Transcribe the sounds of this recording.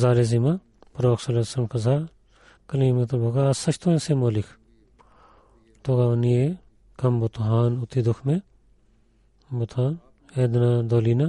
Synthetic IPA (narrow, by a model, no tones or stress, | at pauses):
zaːleːzima | pɾoːksɐlesɐmkɐzaː | kɐliːmet̪ɐbʱoɡasɐt͡ʃʰt̪ʰoːẽsemoːlikʰ | t̪oɡaːnije | kɐmbot̪uɦaːnʊt̪id̪ukʰmẽ | bot̪ʰaːn | eːd̪nad̪oːliːna